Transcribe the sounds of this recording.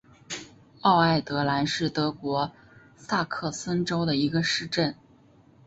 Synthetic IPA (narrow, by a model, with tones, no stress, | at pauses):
ɑ˥˧ʊa˥˩ɪt̪ɤ˧˥la˧˥nʂɻ̩˥˩t̪ɤ˧˥kwɔ˧˥ | sa˥˧kʰɤ˥˩sə˥nʈ͡ʂo˥ʊd̪ə˨i˧˥ɡə˧ʂɻ̩˥˧ʈ͡ʂə˥˩n